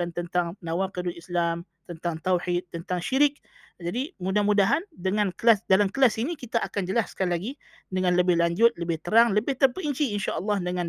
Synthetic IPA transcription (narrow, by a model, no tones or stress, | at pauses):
ant̪ənt̪aŋnãwaqədʊlislamt̪ənt̪aŋt̪awħit̪̚ːənt̪aŋʃiɾɪk̚ | d͡ʒadimudahmudaɦandəŋankəlasdalamkəlasinikit̪aʔakand͡ʒəlaskalilaɡi | dəŋanləbɪhlaɲd͡ʒʊt̪̚ləbɪht̪əɾaŋləbɪht̪əpəiɲt͡ʃiinʃaʔəlːɑhdəŋãn